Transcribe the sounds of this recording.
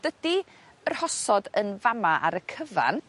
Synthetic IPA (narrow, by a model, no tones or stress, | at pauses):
d̥ədi | ər̥hɔsɔdənvamaʔa̰ɾəkʰəva̰n